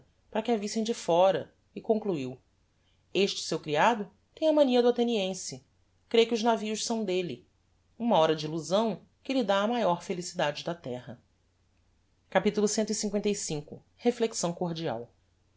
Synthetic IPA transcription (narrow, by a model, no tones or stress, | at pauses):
paɾɐkɪavisẽj̃d͡ʒɪfɔɾɐ | ɪkõŋkluiw | eʃt͡ʃɪ̥sewkɾiad̪ʊ | t̪ẽj̃ɐmɐ̃niɐd̪ʊat̪eniẽsɪ | kɾejkɪʊznaviʊʃsɐ̃w̃d̪elɪ | ũmɐɔɾɐd͡ʒɪiluzɐ̃w̃ | kɪlɪd̪aːmajɔɾfelisid̪ad͡ʒɪd̪ɐt̪ɛɦɐ | kapit̪ulʊsẽnt̪ʊisĩŋkwẽnt̪ejsĩŋkʊ | hefleksɐ̃w̃koɾd͡ʒia̰w